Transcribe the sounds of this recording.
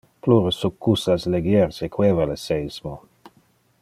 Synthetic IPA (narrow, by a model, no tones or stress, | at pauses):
pluɾəsukʰːusasleɡjɛɾsekweːvalesejsmo